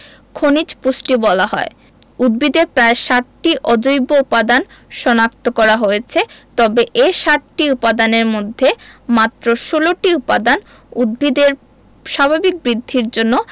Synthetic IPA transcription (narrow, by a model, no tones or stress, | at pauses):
kʰonit͡ɕpusʈibɔlaɦɔe | ud̪̚bid̪eɾpɾaeʃaʈʈiʔɔd͡ʑojboupad̪an | ʃɔnak̚t̪okɔɾaɦojet͡ɕʰet̪ɔbeʔeʃaʈʈiupad̪aneɾmod̪ʱːemat̪ːɾoʃoloʈiupad̪an | ud̪̚bid̪eɾ | ʃabʱabik̚bɾid̪ʱːiɾd͡ʑonːo